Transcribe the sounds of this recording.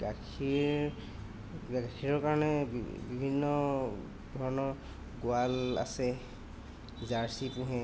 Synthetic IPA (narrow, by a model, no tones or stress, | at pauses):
ɡakʰi | ɡakʰiɹɔɹkaɹɔnɛbibʱinːɔ | dʱɔɹɔnɔɹ | ɡʊala̰sɛ | zaɹsipũɦɛ̃